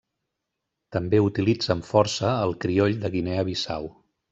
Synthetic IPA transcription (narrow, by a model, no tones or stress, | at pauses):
t̪əmbeut̪ilid͡zəɱfɔɾsəːlˠkɾioʎd̪əɣineəβisa̰w